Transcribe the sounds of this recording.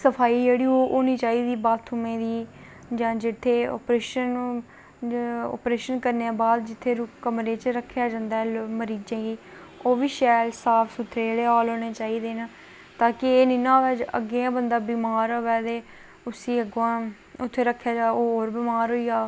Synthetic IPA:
səpʰaːiːd͡ʒeːɽiːoːʔoːniːt͡ʃaːiːd̪iːbaːt̪ʰːumẽːd̪iː | d͡ʒãːd͡ʒɪt̪ʰːeːo̰ːpɾeːʃən | ɔ̰ːpɾeːʃənkəɾneãːbaːd̪d͡ʒɪt̪ʰːeːɾkəmɾeːt͡ʃɾəkʰːjaːd͡ʒãːnd̪aɛːlməɾiːd͡ʒãːɡiː | oːʋiːʃɛːlsaːpʰsʊt̪ʰːɾeːeɽeːoːloːneːt͡ʃaːiːd̪eːna | t̪aːkɪeːnɪːnãːd͡ʒə̰ɡeːãːbənd̪aːbiːmaːɾoːɛːd̪eː | ʊsiːəɡãː | ʊt̪ʰːeːɾəkʰːjaːd͡ʒaːoːɦoːɾbɪːmaːɾɦoːiːaː

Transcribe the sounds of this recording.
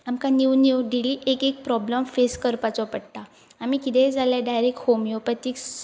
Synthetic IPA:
amkaniwnuwɖiliʔekek̚pɾɔbləmfeskəɾpat͡sɔpəɽʈ̪a | amikit̪ẽd͡zaljaɖajɾek̚ʈhomjopət̪iːks

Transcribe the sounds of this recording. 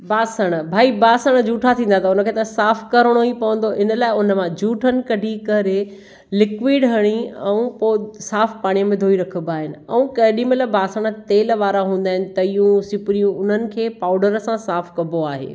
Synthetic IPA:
baːsəɽ̃bʱaːibaːsəɽ̃əd͡ʑʱuːʈʰat̪ʰĩːnd̪at̪ʰaʊnəkʰeːt̪ɐsaːfkɐɾəɽ̃oipɐʋə̃n̆d̪oʔɪnəlaːɪʊnəmãd͡ʑʱuːʈʰənɪ̆kɐɖʱikɐɾe | lɪkʋiːɖɦɐɽ̃iɛ̃ũposaːfpaːɽ̃ijəmẽd̪ʱoːiɾɐkʰəbaːɦɪnɪ̆ɛ̰̃ũkɐɦɪɗĩmelɐbaːsəɽ̃ə̆t̪eːlʋaːɾaɦũːnd̪aːɦɪnɪ̆t̪ɐijũsɪpɾijũʊn̤ənɪ̆kʰeːpaːʊɖəɾsãsaːfkɐboaːɦḛː

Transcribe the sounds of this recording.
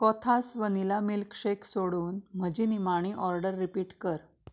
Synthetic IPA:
kɔt̪ʰasʋənilamilkʂeksoɽuːnm̤əd͡ʑinimaɽ̃iʔɔɾɖəɾːipiːʈkəɾ

